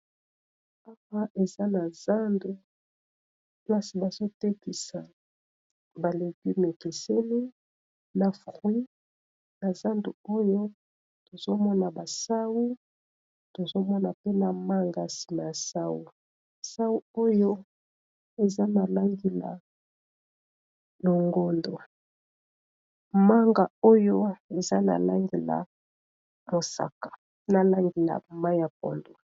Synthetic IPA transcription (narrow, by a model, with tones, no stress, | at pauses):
a˦wa˦ʔe˨za˦na˨za˦ndu˨ | pla˦si˨ba˨zo˦te˦ki˨sa˨ | ba˨le˨ki˦me˨ke˨se˦li˦ | na˨fʁwi˦ | na˨za˦ndu˨o˦jo˦ | to˨zo˦mɔ˦na˨ba˨sa˦wu˦ | to˨zo˦mɔ˦na˨pe˦na˨ma˦ŋɡa˨si̥˨ma˨ja˨sa˦wu˨ | sa˦wu˦o˦jo˦ | e˨za˦na˨la˦ŋɡi˨la̰˨ | no˨ŋɡo˦ndo˨ | ma˦ŋɡa˨o˦jo˦e˨za˦na̰˨la˦ŋɡe˨la̰˨ | mo˨sa̰˨kḁ˨ | na˨la˦ŋɡe˨la̰˨ma˦ja˨p̚o̰˨ndo˨